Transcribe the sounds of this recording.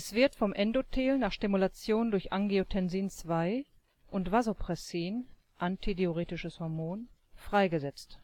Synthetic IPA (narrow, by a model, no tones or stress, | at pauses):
ɛsv̥ɪɐtfɔmʔɛndotʰeːlnaːχʃtimulat͡sjoːndʊɐçʔaŋɡiotʰɛnziːnt͡sv̥aɪ | ʔʊntv̥azopʁ̥ɛsiːn | ʔantideoʁeːtɪʃəshɔɐmoːnfʁ̥aɪɡəzɛt͡st